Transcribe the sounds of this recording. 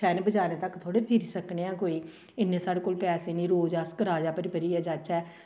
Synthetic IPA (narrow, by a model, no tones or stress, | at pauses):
ɛːnebəd͡ʒaːnẽːt̪əkt̪ʰoːɽeːpʰɪɾisəkɳeːãːkoːiː | ɪnːẽːsaːɽeːkoːlpɛːseːnĩːɾoːd͡ʒaskɾaːd͡ʒaːpəɾɪbəɾiːɛːd͡ʒat͡ʃːɛː